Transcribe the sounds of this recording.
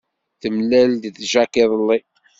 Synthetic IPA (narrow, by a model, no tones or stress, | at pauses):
θəmlæld̪θʒækeðˤəlːi